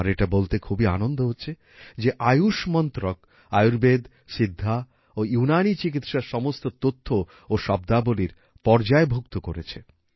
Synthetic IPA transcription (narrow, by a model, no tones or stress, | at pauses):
aɾeʈabolt̪ekʰubia̰nond̪oɦotːɕʰe | d͡ʑeʔajuʃmɔnt̪ɾok̚ | ajuɾbed̪ | ʃid̪ʱːa | ojunanit͡ɕik̬it̪ʃaɾʃɔmost̪ot̪ot̪ʰːo | oʃɔb̚d̪aboliɾ | pɔɾd͡ʑaebʱuk̚t̪okoɾet͡ɕʰe